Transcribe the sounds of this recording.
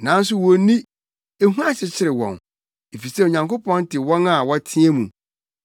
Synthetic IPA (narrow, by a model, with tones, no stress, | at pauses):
nã˨˦n˦s̬ʊ˦wɔ˨nĩ˦ | e˦ɦũ˦ã˦ɕɪ˨t͡ɕʰɪ˦ɾɪ˨wɔ̰̃˨n | e˨fi˨se˦˨o˨ɲã˨ŋkʰo˦pʰɔ̃˦n˦tɪ˨wɔ̃˦na˨wɔ˦tʰĩ˦ɛ˦mũ˨